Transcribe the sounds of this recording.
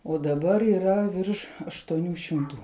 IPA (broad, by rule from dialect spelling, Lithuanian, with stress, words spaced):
oː dɐˈbɐr iːˈrɐ ˈʋʲɪrʃ ɐʃtuɔˈnʲuː ʃʲɪmˈtuː